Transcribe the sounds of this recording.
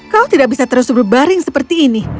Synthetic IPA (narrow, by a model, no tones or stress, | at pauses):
kaot̪idaʔ̚bisat̪əɾʊsbərbaɾɪŋsəpərt̪iːni